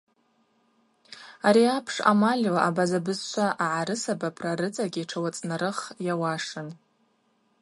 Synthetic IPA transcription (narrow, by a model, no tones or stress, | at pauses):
aɾiapʰʂa̰malʲlaabazabɨzʃʷʰaʔaʕaɾɨsabapʰraɾɨt͡sʼaɡʲiʈ͡ʂʰawat͡sʼnaɾɨχjawaʂɨn